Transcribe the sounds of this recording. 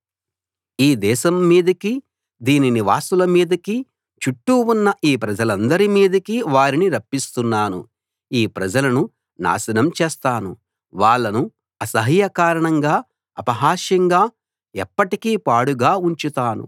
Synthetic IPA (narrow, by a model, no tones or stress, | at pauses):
iːd̪ɛːʃɐmːiːd̪ɐki | d̪iːniniʋaːsulɐmiːd̪ɐki | t͡ʃuʈːuunːɐʔiːpɾɐd͡ʒɐlɐnd̪ɐɾimiːd̪ɐkiʋaːɾiniɾɐpːist̪unːaːnṵ | iːpɾɐd͡ʒɐlɐnu | na̰ːsɐnɐmt͡ʃɛːst̪aːnṵ | ʋaːɭːɐnu | ɐsɐɦiːjɐkaːɾɐɳɐŋɡaː | ɐpɐɦaːʃjɐŋɡaː | ɛpːɐʈikiːpaːɽuɡaːuɲt͡ʃut̪aːnṵ